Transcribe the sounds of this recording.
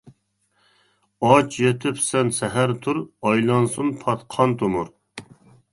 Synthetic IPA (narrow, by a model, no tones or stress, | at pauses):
ɑt͡ʃʰjet̪ʰɪpsɛnsɛɦæɾt̪ʰuɾɑjlˠɑnsunpʰɑt̪qʰɑnt̪ʰumuɾ